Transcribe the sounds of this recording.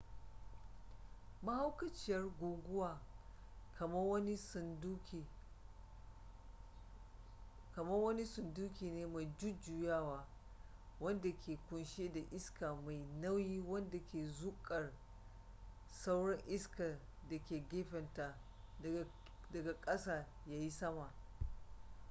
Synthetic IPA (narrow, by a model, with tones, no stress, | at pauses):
mɐ˦ha˦wkɐ˦t͡ʃɪ˦jɐ˦rɡʷoː˨ɡʷʊ˦waː˨ | kɐ˨mɐ˦wɐ˦ni˦˨d | kɐ˨mɐ˦rwɐ˦ni˦sʊ˨nduː˦kʲiː˨neː˦ma˨jd͡ʒʊ˦d͡ʒʊ˨jaː˦waː˨ | wɐ˦nda˨kʰʲeː˨kʷʊ˨nʃeː˦da˨ʔɪ˦skaː˨ma˨jnɐ˦wjiː˦wɐ˦nda˨kʲʰeː˨zʊ˦kʼɐ˨r | sa˦wɽɐ˦ŋʔɪ˦ska˨ | da˨kʲeː˨ɡʲeː˦ɸɛ˨nta˨ | dɐ˨ɡa˨kʼɐ˦saː˨ | jaː˦ji˦sɐ˦ma˨